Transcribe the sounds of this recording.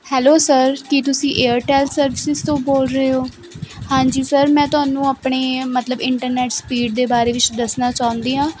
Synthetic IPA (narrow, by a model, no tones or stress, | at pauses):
hɛːloːsəɾkɪt̪ʊsĩːʔeːəɾʈɛːlsəɾʋɪsɪzt̪õːboːlɾəeːoː | hãːɲd͡ʒiːsəɾmɛ̃ːt̪ʊaːnũːaːpɳeːmət̪ləbɪɳʈəɾnɛːʈspiːɖ̚d̪eːbaːɾeːʋɪt͡ʃd̪əsnaːt͡ʃaːʊ̃nd̪iːɦãː